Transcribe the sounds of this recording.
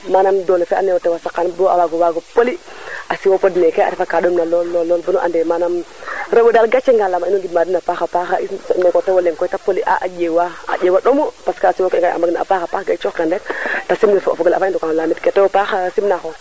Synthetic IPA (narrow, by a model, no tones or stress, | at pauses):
manamdolefea̰newotewasakːanboa̰waɡowaɡopoliasiwopodnekea̰ɾifakaɗomnalolːolːolbunoʔa̰ndɛmanamɾewedalɡat͡ʃeŋɡalamainoŋɡidmadinapaxapaxaisnokotewoleŋkɔitapoliʔa̰ʔa̰d͡ʒewaa̰ewaɗomopaskasiwokeŋɡaa̰maɡnaa̰paxapaxɡat͡ʃokendɛktasimnefoa̰foɡola̰faindokanlamitketewopaxasimnaxo